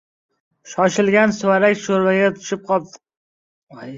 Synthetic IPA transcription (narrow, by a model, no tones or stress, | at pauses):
ʃɒʃɪlɡʲansʊwaɾakʲʃoɾbaɡʲat̪ʰʊ̥ʃɪp̚qʰɒl̚t̪